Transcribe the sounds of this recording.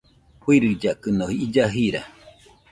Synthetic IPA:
huiɾɨd͡ʒakɯnohiid͡ʒaɦiɾa̰

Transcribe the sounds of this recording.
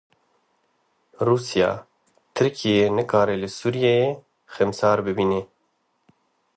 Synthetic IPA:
ruːsijɑ̰ː | t̪ʰɨɾkʰijeːnɨkʰɑːɾɛlɨsuːɾijeje | xɛmsɑːɾbɨbiːne

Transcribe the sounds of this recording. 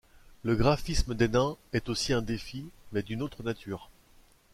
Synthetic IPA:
ləɡʁafisməd̪ɛnɛ̃ɛt̪osiɛ̃d̪efimɛd̪ynot̪χənat̪ʰyːʁ

